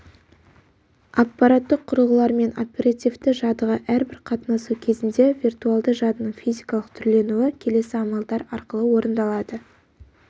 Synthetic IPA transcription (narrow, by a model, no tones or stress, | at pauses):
ɑpːɑɾat̪ːəqʰːʊɾəlˠʁəlˠɑɾme̞nopʲeɾat̪ivt̪ɪʒɑd̪əʁəʔæɾbɪɾqʰɑt̪nɑsukʲʰe̞zɪnd̪e̞vʲirt̪uɑlˠd̪əʒɑd̪ənəɴfijzʲijkɑlˠəq̚t̪ʰʏɾle̞nuɪkʲʰe̞le̞sɪɑmɑlˠd̪ɑɾɑɾqəlˠəwo̞ɾənd̪ɑlˠɑd̪ə